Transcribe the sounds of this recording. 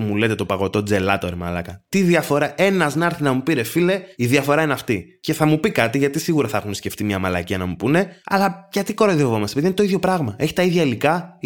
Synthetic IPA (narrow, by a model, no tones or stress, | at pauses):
mule̞t̪e̞t̪o̞pɐɣo̞t̪o̞d͡ze̞lɐt̪o̞ɾimɐ̰lɐkɐt̪iðiɐfo̞ɾɐʔe̞nɐznɐɾθinɐmupiɾe̞file̞iðiɐfo̞ɾɐinɐft̪i | ce̞θɐmupikɐt̪iʝɐt̪isiɣuɾɐθɐxunsce̞ft̪imɲɐmɐlɐ̰ciɐnɐmupune̞ɐ̰lɐʝɐt̪iko̞ɾoðjevo̞mɐsepiðinet̪oiðʝo̞pɾɐɣmɐe̞çi̥t̪ɐiðʝɐilikɐ